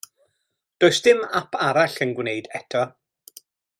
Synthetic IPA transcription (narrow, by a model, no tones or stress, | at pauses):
d̥oːɨsd̥ɪmapʰaɾaɬənɡwnejdɛtʰɔ